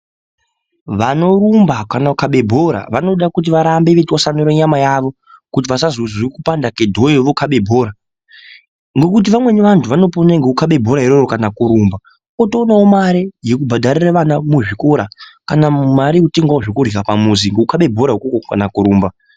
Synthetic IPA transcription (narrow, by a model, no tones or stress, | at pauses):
ʋano̞ɾumbakanaukaɓe̞bʱo̞ɾa̰ʋano̞ɗakut̬iʋaɾambeʋetwasanoɾeɲamajaʋo̞ | kut̬iʋasazozikupandakedʱojeʋokʰaɓe̞bʱo̞ːɾa | ŋɡe̞kut̬iʋamwe̞niʋantʰuʋano̞ponaŋɡeukaɓe̞bʱo̞ɾaɦiɾorokanakuɾuːmba | otoːnaomaɾijekubʱadʱaɾiraʋanamuʐiko̞ɾakanamumaɾiuteŋɡwaoʐokur̤ikapamuziŋɡeukaɓe̞bʱo̞ɾaɦukokoka̰nakuɾuːmba